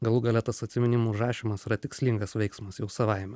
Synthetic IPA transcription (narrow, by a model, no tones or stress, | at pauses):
ɡɐlˠuɡɐlʲɛt̪ɐsɐt̪ʲsʲɪmʲɪnʲɪmuːʒɑːʃʲɪmɐsɪɾɐt̪ʲɪksʲlʲɪŋɡɐsʋʲɛɪksmɐsjɛʊsɐʋɐɪmʲɛ